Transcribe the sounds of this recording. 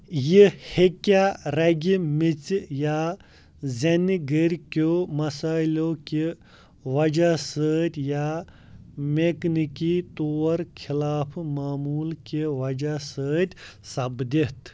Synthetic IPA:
jihekaɾɐɡʲimit͡sja | zɐnɡəɾʲkomɐsaːiloke | ʋɐd͡ʒasəːt̪ʲja | meknikit̪oːɾkʰilaːpʰmaːmuːlkeʋɐd͡ʒasəːt̪ʲsɐbd̪it̪

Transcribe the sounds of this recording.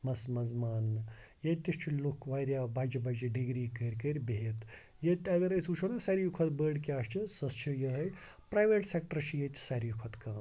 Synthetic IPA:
mɐsmɐzmaːn | jɐt̪ist͡ʃʰilukʋaːjɾʲjabʱaːd͡ʒibaːd͡ʒiɖiɡɾiːkəɾʲkəɾʲbet̪ | jɐt̪ɐɡɐɾɐsut͡ʃʰonɐsaɾijukʰɐt̪bəːɖkʲaːʃt͡ʃʰisɐst͡ʃʰijɐɦɐj | pɾaːjʋeːʈsek̚ʈəɾt͡ʃʰijet̪ʲsaɾijukʰɐt̪kãː

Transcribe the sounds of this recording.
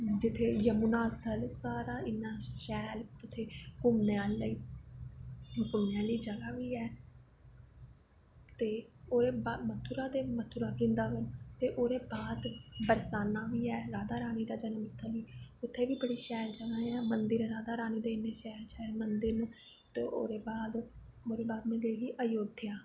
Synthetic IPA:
d͡ʒɪt̪ʰːeːjəmunaːst̪ʰəlsaːɾaːɪnːaːʃɛːlʊt̪ʰːeːkʊmneaːlliː | kʊmneaːliːd͡ʒəɡaːʋiːɛː | t̪eːoːɾeːbamət̪ʰːuːɾaːd̪eːmət̪ʰːuːɾaːbɾɪnd̪aːʋənt̪eːʔoːɾeːbaːd̪bəɾsaːnaːʋiːɛːɾaːd̪aːɾaːniːd̪aːd͡ʒənmst̪ʰəliːʊt̪ʰːeːʋiːbəɽiːʃɛːɾd͡ʒəɡaːɛːmənd̪əɾɾaːd̪aːɾaːniːd̪eːɪneːʃɛːɾt͡ʃɛːmənd̪əɾn | t̪oːʔo̰ːɾeːbaːd̪oːɾeːbaːd̪mẽːd̪eːɡiːʔəjoːd̪ʱɪjaː

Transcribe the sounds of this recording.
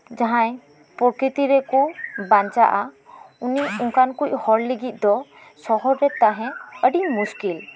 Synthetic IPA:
d͡ʒaɦãj | pɔɾkɾit̪iɾɛkubãɲt͡ʃaʔauniuŋkankuc̚hɔɾliɡit̪̚ˀd̪ɔ | sɔɦɔɾːɛt̪ãɦɛ̃əɖiɲmuskil

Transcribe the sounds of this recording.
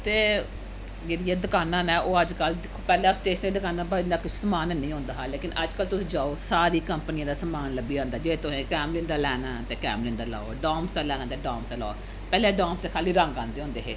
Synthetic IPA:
t̪eː | d͡ʒeːɽijãːd̪əkaːnãːnɛ̃ːʔoːəd͡ʒkəld̪ɪkʰopɛːlɛːsʈeːʃəniːd̪əkaːnaːbəd̪aːkɪt͡ʃʰsəmaːnnĩːɦõːnd̪aːɦaːleːkɪnəd͡ʒkəlt̪ʊsĩːd͡ʒaːoːsaːɾiːkəmpənijãːd̪aːsəmaːnləbiːãːnd̪aːd͡ʒeːt̪ʊɦẽːkɛːmlɪnd̪aːlɛːnaːt̪eːkɛ̰ːmlɪnd̪aːla̰ːoɖɔːmsd̪aːlɛːnaːt̪eːɖɔːmsaːla̰ː | pɛːleːɖɔːmst̪eːkʰaːliːɾəŋɡãːnd̪eːɦõːnd̪eːɦeː

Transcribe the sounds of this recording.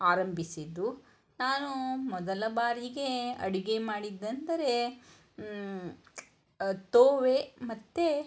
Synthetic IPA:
aːɾɐmbʱisid̪u | naːnumɔd̪ɐlɐbaːɾiɡe̞ɐ̰ɽiɡe̞maːɽid̪ːɐnd̪ɐɾe̞ | t̪oːʋe̞mɐt̪ːe

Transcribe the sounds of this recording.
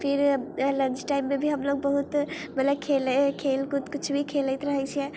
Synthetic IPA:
pʰiɾlənt͡ʃʈaimːebʱiɦəmloɡ̚bəɦut̪ | mət̪ləb̚kʰelkʰelkut̪kʊt͡ʃʰbʱikʰeləɪt̪ɾəɦɛt͡ʃʰijɛ

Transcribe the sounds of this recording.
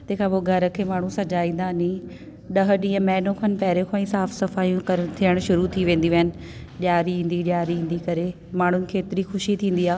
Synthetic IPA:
t̪ɐ̃ːkʰãpoːɡʱɐɾə̆kʰeːmaːɳ̤ũsɐd͡ʑaːĩːn̆d̪anĩ | ɗɐɦəɗĩːə̃mɛːnõkʰənpɛːɾekʰoĩsaːfsɐfaːijũkɐt̪ʰiəɽ̃ʃʊɾut̪ʰiʋẽːn̆d̪iʋɐənɪ̆ | ʄjaːɾiɦĩːnd̪iɗjaːɾiĩːn̆d̪ikɐɾe | maːɳ̤ʊnɪ̆kʰeːɪt̪ɪɾixʊʃit̪ʰĩːn̆d̪iaː

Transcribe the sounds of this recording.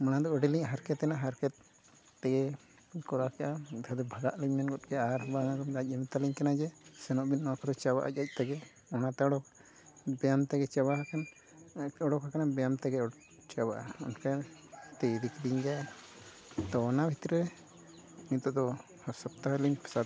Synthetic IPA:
manad̪ɔɔɖɛliɲɦaɾkɛt̪ɛnaɦaɾkɛt̪̚ː | ɛɡɛ | kɔɾakɛʔad̪ʱɔd̪ɔbʱaɡaʔliɲmɛnɡɔt̪̚kɛaɾbaŋaɡɔnd̪ac̚ˀimit̪aliɲkanad͡ʒɛsɛnɔʔbinːakʰɔd̪ɔt͡ʃawa̰ʔa̰c̚ac̚ˀt̪ɛɡɛ | ɔnat̪ɛɔɽɔk | bɛjamt̪ɛɡɛt͡ʃabahakan | ɔɽɔkakanabɛjamt̪ɛɡɛɔ | t͡ʃabaʔaɔ̰nkat̪ɛd̪ikd̪iɲd͡ʒaja | t̪ɔnabʱit̪ɾɛɾɛ | nit̪ɔd̪ɔ | haɾsap̚t̪aɦaliɲpsad̪

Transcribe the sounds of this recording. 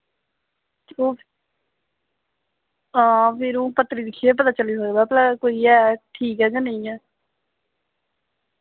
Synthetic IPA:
oː | ãːpʰɪɾõːpət̪ːɾiːd̪ɪkʰːieːpət̪aːt͡ʃəliːsəːɡbɛːpələkoːiːɛːʈʰiːkɦɛːd͡ʒaːnəĩɛː

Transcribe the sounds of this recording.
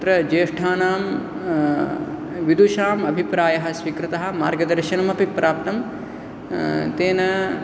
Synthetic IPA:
t̪ɾɐd͡ʒeːʂʈʰaːnaːm | ʋid̪uʃaːmɐbʱipɾaːjɐɦɐ̆sʋikɾɨt̪ɐɦɐ̆ma̰ːɾɡɐd̪ɐɾʃɐnɐmɐpipɾʔaːp̚t̪ɐm | t̪eːnɐ

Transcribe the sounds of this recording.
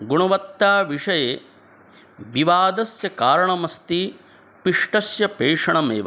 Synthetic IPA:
ɡuɳɐʋɐt̪ːaːʋiʂɐjeː | biʋaːd̪ɐsjɐkaːɾɐɳɐmɐst̪i | piʂʈɐsjɐpeːʂɐɳɐmḛːʋɐ̰

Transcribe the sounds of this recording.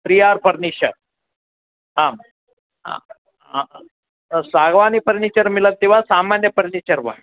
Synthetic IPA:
pɾijaɾpəɾniɕə̰ɾ | ɦam | a̰ | a | saɡʋanipəɾnit͡ɕəɾmilək̪̚t̪iʋ̤asamanjəpəɾnit͡ɕəɾʋa̰

